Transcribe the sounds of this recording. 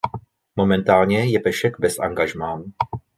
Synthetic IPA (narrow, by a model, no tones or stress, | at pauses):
mo̞mɛnt̪aːlɲɛjɛpɛʃɛɡbɛsʔa̰ŋɡaʒmaːn